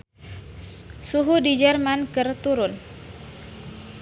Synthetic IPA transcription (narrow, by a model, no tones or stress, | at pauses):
suɦudid͡ʒɛrmankɨrt̪uɾʊn